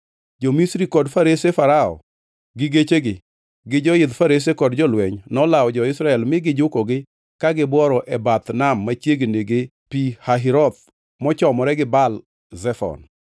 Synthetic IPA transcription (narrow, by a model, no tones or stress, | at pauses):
d͡ʒomisɾikɔdfaɾesefaɾaɔ̰ | ɡɪɡet͡ʃeɡɪ | ɡɪd͡ʒɔjɪd̪faɾes̬ekɔdd͡ʒɔlwɛɲnɔlaɔd͡ʒɔɪsɾaɛlmɪɡɪd͡ʒʊkɔɡɪ | kaɡɪbwɔɾɔʔɛbat̪namːat͡ʃjeɡeneɡe | pihaɦiɾɔt̪̚ | mɔt͡ʃɔmɔɾɛɡɪbal | zɛfɔ̰n